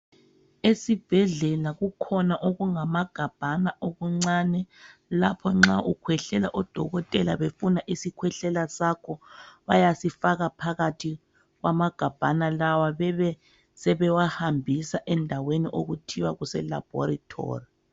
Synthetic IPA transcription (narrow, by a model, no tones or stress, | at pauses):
esib̥ʱɛɮɛlaɣukʰɔnaʔoɣuŋamaɡ̥ʱab̥ʱanaʔoɣuŋ͡ǀaːnɛlapʰɔŋ͡ǁaʔukʰwɛɬɛlaʔɔd̥ʱɔɣɔtʼɛlaβefunaʔisikʰwɛɬɛlasakʰɔβajasifaɣapʰaɣatʰi | ɣwʔamaɡ̥ʱab̥ʱanalawaβɛɛ | sɛβɛwahambʱisaʔɛndʱaweniʔoɣutʰiwaɣusɛla̰b̥ʱɔ̰ɾitʰɔ̰ːri